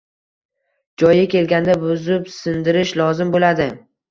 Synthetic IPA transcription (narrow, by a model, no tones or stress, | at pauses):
d͡ʒɒjakʲe̞lɡʲand̪abʊzɪpsɪnd̪ɪɾɪʃlɒzɪmbolad̪ɪ